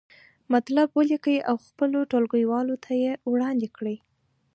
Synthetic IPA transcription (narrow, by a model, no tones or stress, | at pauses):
mat̪labwəlikəjiʔawxpəloʈolɡəjwɑlot̪ʰajewɽɑnd̪ekɽəj